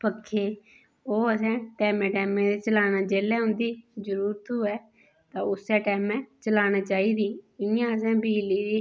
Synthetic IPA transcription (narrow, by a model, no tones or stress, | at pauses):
pəkʰːeː | oːəsɛ̃ːʈɛːmɛ̃ːʈɛːmẽːd̪eːt͡ʃəlaːnãːd͡ʒeːlɛːɦʊ̃nd̪iːd͡ʒəɾuːɾt̪ʰuːɛː | t̪ãːʊsɛːʈɛːmɛ̃ːt͡ʃəlaːñãːt͡ʃaːiːd̪iːɪãːəsɛ̃ːbiːliːɾiː